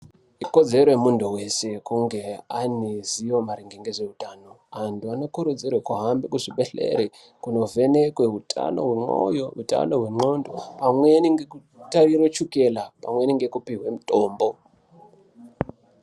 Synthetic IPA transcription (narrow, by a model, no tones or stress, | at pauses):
iko̞d͡ze̞ɾojemunduwe̞se̞kuŋɡe̞aniziwomaɾiŋɡeŋɡeʐe̞utaːno̞ | antʰuano̞kuɾud͡zirwekuɦambekuʐiɓeɬḛɾe | kuno̞ve̞nekweɦutʼʰa̰no̞̰ɦweŋ͡ǃo̰jouta̰no̞ɦweŋ͡ǃo̞ndopamweniŋɡeku | tarirot͡ʃuke̞lapa̰mwe̞niŋɡe̞kupiɦwe̞mutʼo̞ːmbo̞